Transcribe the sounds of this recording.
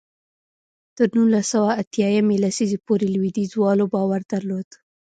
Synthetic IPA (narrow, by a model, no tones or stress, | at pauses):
t̪əɾnunlasawaːt̪jɑjamelasizepoɾelwid̪izwɑlobɑwaɾd̪aɾlod̪̥